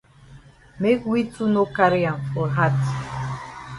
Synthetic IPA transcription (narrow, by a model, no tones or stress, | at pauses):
mekwitʰunokaɹiãnfɔɦat